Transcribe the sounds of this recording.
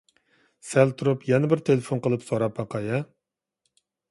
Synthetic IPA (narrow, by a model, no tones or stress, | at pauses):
sɛlt̪ʰuɾupjɛnɪbɪɾt̪ʰelefonqəlˠɨpsoɾɑpːɑqʰɑjɑ